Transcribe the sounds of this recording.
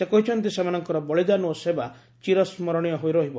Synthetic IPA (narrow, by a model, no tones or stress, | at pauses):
sekɔɦit͡ʃʰɔnt̪isemanɔŋkɔɾɔbɔɭid͡ʒanuɔseba | t͡ʃiɾɔsmɔɾɔɽ̃ijɔɦojɾɔɦibɔ